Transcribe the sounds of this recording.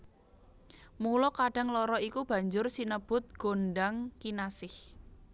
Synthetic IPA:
mulɔkaɖ̥ä̤ŋlɔɾɔikub̥ä̤ɲd͡ʒʊrsinəb̥ʊt̪̚ɡ̥o̤nɖaŋkinasɪh

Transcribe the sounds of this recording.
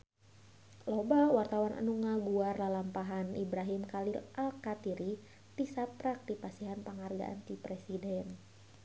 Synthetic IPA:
lobawart̪awana̰nuŋaɡuarlalampaɦanibɾaɦimkalilʔalkat̪iɾi | tisapɾak̚dipasiɦanpəŋarɡa̰ʔa̰nt̪ipɾesidɛn

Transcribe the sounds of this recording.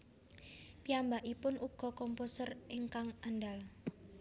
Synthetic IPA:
piambaʔipʊnʔuɡ̥ɔ̤kɔmposəreŋkaŋʔanɖal

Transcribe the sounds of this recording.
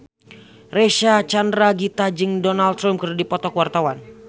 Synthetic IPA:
reʃat͡ʃandɾaɡit̪ad͡ʒɨŋdɔnalt̪ɾampkərdipɔt̪ɔkwart̪awan

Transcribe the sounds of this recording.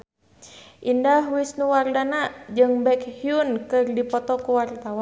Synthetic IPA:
ʔindahwisnuwardanad͡ʒɨŋbɛkhiunkɨrdipɔt̪ɔkuwart̪awa

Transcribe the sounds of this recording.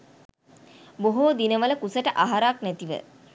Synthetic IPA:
boɦoːd̪inəʋələkusəʈəʔaɦaɾaknæt̪iʋə̰

